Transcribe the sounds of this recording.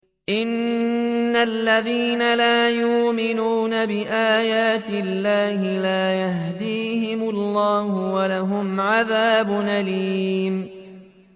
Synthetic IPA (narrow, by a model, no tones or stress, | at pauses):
ʔɪnː | alːaðiːnalaːjʊːmɪnuːnabɪʔaːjaːt̪ɪlːaːhɪlaːjahɦd̪iːhɪmʊlːɑːhʊwalaɦʊmʕaðaːbʊnʔaliːm